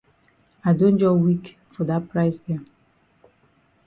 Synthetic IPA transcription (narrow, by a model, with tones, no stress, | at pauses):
a˨dõ˦nd͡ʒɔ˦wi˦k | fɔ˨da˦pɹa˦ɪsdɛ̃˨m